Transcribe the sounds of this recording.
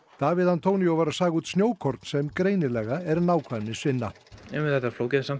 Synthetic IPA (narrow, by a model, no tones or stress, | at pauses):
d̪̥aːvɪðant̪ʰowniovaːɾasaːɣuːt̪snjoːwkʰɔɾt̪n̥sɛmkɾeːjnɪlɛːɣaɛɾnaːwkʰvaɾmnɪsvɪnːa | ɛmɪɛt̪ːafloːwcɛðɪnsam